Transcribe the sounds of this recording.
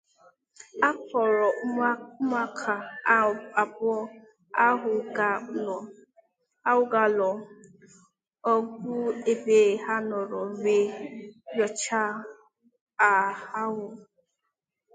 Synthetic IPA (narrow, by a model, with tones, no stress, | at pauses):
a˦kɔ˨ɾɔ˨ʊ˦m˦a˦kʰa˨ | a˨bɔ˦ | a˦ɦʊ˨ɡa˨ɔ˨ | a˦wʊ˦ɡa˨lɔ˨ | ɔ˦ɡʷʊ˦e˨be˨ha˦nɔ˨ɾɔ˨ɾe˨jɔ˨t͡ʃa˦ | a˨ha˦ɦʊ˨